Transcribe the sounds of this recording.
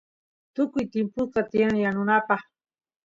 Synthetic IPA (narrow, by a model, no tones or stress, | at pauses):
t̪ʊkʊjt̪ɪmpʊt̪at̪ɪjanaŋjanʊnapɑχ